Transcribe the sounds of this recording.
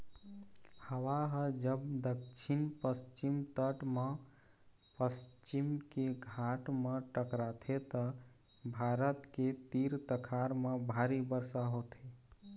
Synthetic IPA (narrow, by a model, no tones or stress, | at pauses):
həwaɦəd͡ʒəbd̪əkt͡ʃʰinpəst͡ʃimt̪əʈme | pəst͡ʃimkeɡʱaʈmeʈəkɾat̪ʰet̪ə | bʱaɾət̪ket̪iɾt̪əkʰaɾmebʱaɾibəɾsaɦot̪ʰe